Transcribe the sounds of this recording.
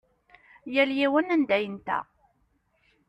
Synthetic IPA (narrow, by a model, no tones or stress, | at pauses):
jæljiwənænd̪æjənt̪æ̰